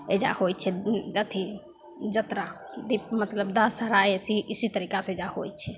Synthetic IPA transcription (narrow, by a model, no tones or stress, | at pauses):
ed͡ʒa̰hojt͡ʃʰɛət̪ʰi | d͡ʒət̪ɾa | d̪ip̚mət̪ləbd̪asəɾaesiʔisit̪əɾikasẽd͡ʒahojt͡ʃʰɛ